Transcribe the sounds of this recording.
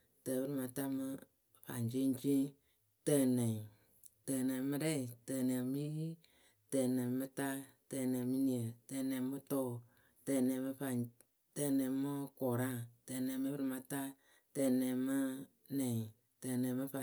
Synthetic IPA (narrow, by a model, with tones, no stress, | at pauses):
tə˨bɨ˦ɾɨ˧ma˧ta˦mɨ˧ | fa̰˨nd͡ʒi˦d͡ʒi˦ | tə˧˨nɛ̃˨ | təː˨nɛ̃˨mɨ˦˧ɾɛ˦i˨tə˧˨nɛ̃˨mi˦ | tɛː˧˨nɛ̃˨mɨ˦ta˦tɛ˧˨nɛ̃˨mɨ˦ni˨ə˨tɛ˧˨nɛ̃˨mɨ˦tɔː˦˨ | tɛ˧˨nɛ̃˨mɨ˧fa˧ | tə˧˨nɛ̃˨mɨ˦kɔ˨ɾa˦˨tɛ˧˨nɛ̃˨˦mɨ˦bɨ˦ɾɨ˧ma˧ta˦ | tɛ˧˨nɛ̃˨mɨ˦ | nɛ̃˨ | təː˧˨nɛ̃˨˦mɨ˧fa˨